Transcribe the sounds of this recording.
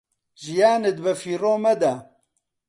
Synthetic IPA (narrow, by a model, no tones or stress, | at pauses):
ʒijaːned̪̚bɐfiːroːmɐd̪a